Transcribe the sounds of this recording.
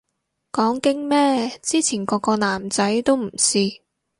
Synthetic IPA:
kɔː˨˥ŋkɪ˥ŋmɛː˥t͡siː˥t͡sʰiː˨˩nkɔː˧kɔː˧naː˨˩mt͡sɐ˨˥jt̪o˥wm̩˨˩siː˧

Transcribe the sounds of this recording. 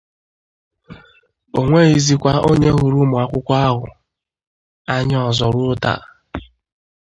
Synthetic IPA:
o˨ŋʷe˦i˨zi˦kʷa˦o˦ɲe˦ɦu˨ɾu˦mʊ˨a˦kʷʊ˦kʷa˦a˦ɦʊ̰˨ | a˦ɲ˦ɔ˨zɔ˨ɾʊ˦ta̰˨

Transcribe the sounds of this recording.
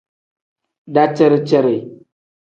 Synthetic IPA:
da˦t͡ʃɛ˦ɾt͡ʃɛ˦ɾe˨

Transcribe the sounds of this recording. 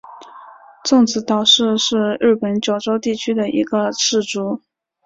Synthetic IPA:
t͡sʊ˥˩ŋt͡sɹ̩˧˥t̪ɑ˨˩ʊʂɻ̩˥˧ʂɻ̩˥˧ɻɻ̩˥˩pə˧˥nt͡ɕjo˨˩ʊʈ͡ʂo˥ʊt̪i˥˩t͡ɕʰy˥d̪ə˨ʔḭ˧˥ɡə˧ʈ͡ʂɻ̩˥˩ʈ͡ʂu˥

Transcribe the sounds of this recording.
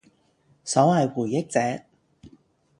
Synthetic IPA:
sɔː˨˥wɐ˨jwuː˨˩jjɪ˥k̚t͡sɛː˨˥k̚

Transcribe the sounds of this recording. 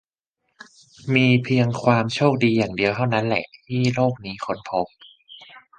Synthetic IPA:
miː˧pʰi˧əŋkʰwaː˧mt͡ɕʰoː˥˩k̚diː˧jaː˨˩ŋdi˧əwt̪ʰa˥˩wna˦˥nlɛ̰˨˩ʔt̪ʰiː˥˩loː˥˩k̚niː˦˥kʰo˦˥npʰo˦˥p̚

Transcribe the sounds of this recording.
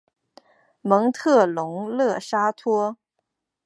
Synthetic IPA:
mɤ˧˥ŋt̪ʰɤ˥˩lʊ˧˥ŋlɤ˥˩ʂa˥t̪ʰwɔ˥

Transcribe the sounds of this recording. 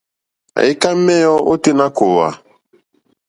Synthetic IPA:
a̰˨jɪ˦ka˦m̩˦mɛ˦jɔ˦ʔo˦te˦na˦ko˨wa̰˨

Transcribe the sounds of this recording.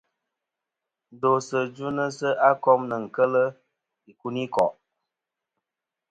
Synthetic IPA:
n̩˨do˨sə˨d͡ʒu˦nə˦sə˦ʔa˦kɔ˦mnə˨ŋ̩˨kə˦lə˦ | i˨ku˦ni˦kɔ̰˨ʔ

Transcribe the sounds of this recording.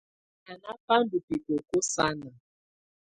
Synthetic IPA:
a˨na˦pa˦n̩˦du˨pi˨ko˨ko˦sa˦na˨

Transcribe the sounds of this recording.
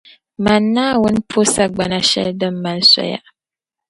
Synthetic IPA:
ma˨nːaː˦wʊ˦n˦pʰo˦sa˦ɡ͡ba˨na˦ʃɛ̰˦ldɨ˦mː˦a˦lsa̰˨ja̰˦

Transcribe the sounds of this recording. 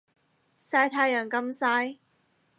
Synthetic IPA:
saː˧jt̪ʰaː˧jœː˨˩ŋkɐ˧msaː˧j

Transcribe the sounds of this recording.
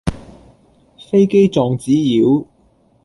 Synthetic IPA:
fe˥jke˥jt͡sɔː˨˧ŋt͡siː˨˥jiː˨˥w

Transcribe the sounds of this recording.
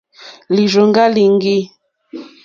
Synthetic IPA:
li˨ʒo˨ŋɡa˦li˨ŋɡi˦

